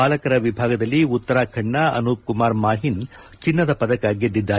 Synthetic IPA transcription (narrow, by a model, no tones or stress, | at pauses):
aːlɐkɐɾɐʋibʱaːɡɐd̪ɐlːiut̪ːɐɾaːkʰɐɳːɐɐ̰nuːp̚kumaːɾmaːɦin | t͡ʃinːɐd̪ɐpɐd̪ɐkaːɡed̪ːid̪ːaː